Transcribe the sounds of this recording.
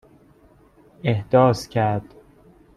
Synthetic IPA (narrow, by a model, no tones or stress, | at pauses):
ehd̪̥ɒːscʰæɾd̪̥